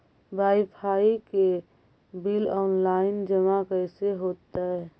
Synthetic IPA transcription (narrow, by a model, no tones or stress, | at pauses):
bʱaːipʰaːike | bilɔːnlaɪnd͡ʒəmakəɪseɦoːt̪aɛ